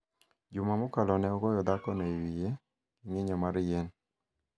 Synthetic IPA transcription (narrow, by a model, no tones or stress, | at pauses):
d͡ʒʊmamokalɔnɛɔɡɔjɔd̪akɔnɛiwije | ŋɪɲɔmaɾjen